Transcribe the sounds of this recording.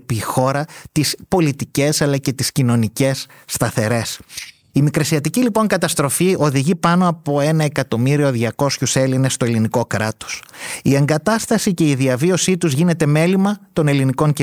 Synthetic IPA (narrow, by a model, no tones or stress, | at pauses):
pixo̞ɾɐt̪ispo̞lit̪ice̞sɐlɐce̞t̪iscino̞nice̞sː | t̪ɐθe̞ɾe̞s | imikɾɐsiɐt̪icilipo̞ŋkɐt̪ɐst̪ɾo̞fiʔo̞ðiʝipɐno̞ɐpo̞e̞nɐe̞kɐt̪o̞miɾio̞ðʝɐko̞sçuse̞line̞st̪o̞e̞liniko̞kɾɐt̪o̞̥sie̞ŋɡɐt̪ɐst̪ɐsice̞iðiɐvio̞sit̪uzʝine̞t̪e̞me̞limɐt̪o̞ne̞liniko̞ŋce